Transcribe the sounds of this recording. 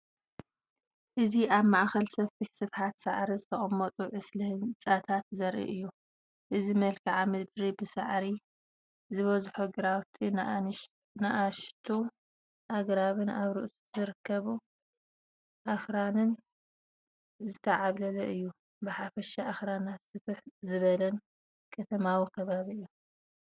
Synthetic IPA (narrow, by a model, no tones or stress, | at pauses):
ʔɨziaβmaʔxɐlsɐfiħsɨfħat̪saʕɾizɨt̪ʰɐχʼɐmːɐt̪ʼuʕɨslɨhɨnt͡sʼat̪ʰat̪zɐɾʔḭʔɨjːu | ʔɨzimɐlkʰɐʕamɨd̪ɾibɨsa̰ʕɾi | zɨβɐzħoɡɾawt̪ʰi | naʔaʃt̪ʰu | ʔaɡɾaβɨnaβɾɨʔsu̥z̥ɨɾɨkʰːɐβu | ʔaxɾanɨn | zɨt̪ʰɐʕaβlɐlɐʔɨjːu | bɨħafɐʃaʔaxɾanat̪sɨfɨħzɨβɐlɐn | kʰɐt̪ʰɐmawikʰɐβaβiɨjːu